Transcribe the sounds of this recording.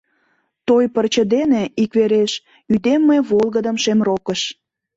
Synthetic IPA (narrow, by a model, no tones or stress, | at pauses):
t̪ojpərt͡ɕəd̪eneikβeɾeʃ | yd̪emːeβolˠɣəd̪əmʃemrokəʃ